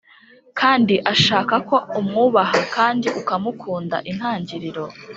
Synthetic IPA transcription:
kʰaːndiʔaʃaːkako̞umŋuβaɦakaːndiʔukamukʰuːnda̰ʔin̥haːɲɟiɾiɾo̞

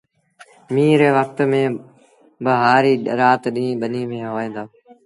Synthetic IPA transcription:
mĩːɾeːʋək̚t̪mẽː | bəɦaːɾiːɾaːt̪ɗĩːɓəniːmẽːɦoʋaːẽːnd̪aː

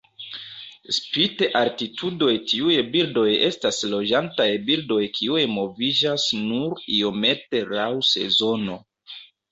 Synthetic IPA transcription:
spiteʔaɾtitʰudo̞jtiujbildo̞je̞staslo̞d͡ʒantajbildo̞jkʰiujmo̞vid͡ʒasnuɾio̞me̞te̞ɾawse̞̰zo̞no̞

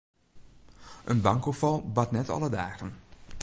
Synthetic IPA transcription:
ʔənbaŋkofɔlˠbatnɛtɔ̰lˠədaːɣən

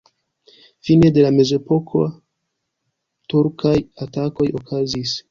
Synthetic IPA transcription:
fine̞de̞lame̞ze̞po̞kʰo | tuɾkʰajatako̞jo̞kazis

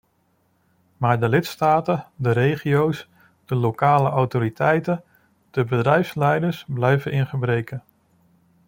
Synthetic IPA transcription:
maːɹdəlɪtstaːtədəɾejχijows | d̥əlowkaːləʔɔwtoːɾitʰɛjtə | d̥əbədrɛjfslɛjdəɹsblɛjvənʔɪnχəbrejkə

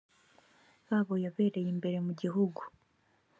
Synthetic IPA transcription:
βaːβo̞jaβe̞ːɾe̞jimbe̞ɾe̞muɟiɦuɡu

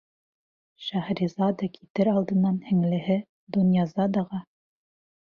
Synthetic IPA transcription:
ʃæhɾizɑd̪ɑkʰit̪ɘɾɑlˠd̪ɤ̆nːɑnhɘ̆ŋlɘ̆ɦɘ | d̪onʲjɑzɑd̪ɑʁɑ

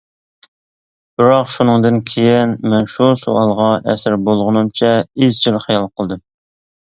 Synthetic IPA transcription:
b̥ɪɾɑqʃunɨŋd̪ɨnkʲʰejɪnmɛnʃuso̰ɑlˠʁɑʔɛ̰sɪɾbolˠʁənɨmt͡ʃʰɛizt͡ʃʰilχijɑlˠqʰəlˠd̪ɨm

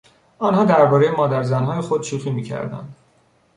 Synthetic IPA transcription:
ɒnhɒːd̪æɾbɒːɾe̞jemɒːd̪æɾzænɦɒːje̞xod̪ʃuːxiːmiːcʰæ̰ɾd̪æ̰nd̪̥

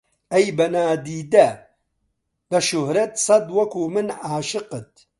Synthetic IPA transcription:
ɐjbɐnaːd̪iːd̪ɐ | lɐʃʊhɾɐt̪sˤɐd̪wɐkʰuːmɨnaːʃɨqɨt̪̚

